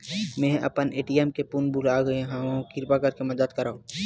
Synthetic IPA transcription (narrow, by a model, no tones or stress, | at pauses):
mɛ̃ːɐ̰pəneːʈiɛmkepunbulaːɡɐeɦããkɪɾpakɐɾkemɐd̪əd̪kɐɾao